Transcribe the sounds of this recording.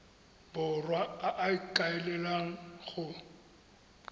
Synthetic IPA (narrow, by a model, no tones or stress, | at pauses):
bʊrwaaʔaɪkʼaɪlɛlaŋ̩ɣʊ